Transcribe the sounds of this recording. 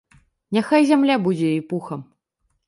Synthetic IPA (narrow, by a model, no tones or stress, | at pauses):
nʲaxajzʲamlʲabud͡zʲɛjijpuxɐm